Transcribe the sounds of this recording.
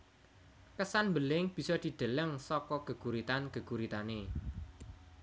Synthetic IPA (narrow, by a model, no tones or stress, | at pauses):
kəsanmbəlɪŋb̥i̤sɔd̪̥i̤d̪̥ə̤ləŋsɔkɔɡ̥ə̤ɡ̥uɾit̪anɡ̥əɡuɾit̪ane